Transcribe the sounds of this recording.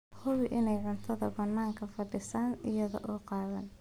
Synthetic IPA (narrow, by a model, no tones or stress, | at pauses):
hʊwɪʔɪnɛjʕʊnt̪ʰɐðɐ̰bɐnːaːŋkʰɐfɐɖɪsaːnɪjɐðɔ̰ʔɔːqɑːðɐn